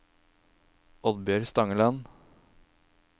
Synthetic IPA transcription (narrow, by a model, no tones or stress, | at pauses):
ɔd̪bjøɾst̪ɑŋəlɑn